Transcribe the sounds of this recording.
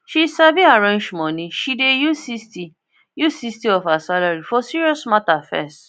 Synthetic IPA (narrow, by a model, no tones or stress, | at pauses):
ʃisaviaɹãnd͡ʒmɔ̃nĩʃidejusisti | jusistiɔfhasalaɹifɔsiɹiɔsmatafɛ̰st